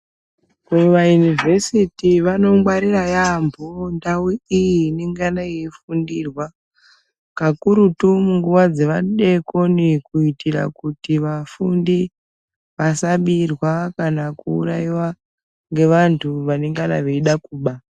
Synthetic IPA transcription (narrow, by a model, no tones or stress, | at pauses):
kuʋajunivʱe̞sitiʋano̞mwaɾirajambʱondawiijiːneŋɡanaiefundiːrwa | kakuɾutumuŋɡuʋad͡ze̞ʋaɗe̞ko̞nikuitira̰kutiʋafundi | ʋasaɓirwakanakṵːɾaiwa | ŋɡe̞ʋantʰuʋane̞ŋɡana̰ʋeiɗakuːɓa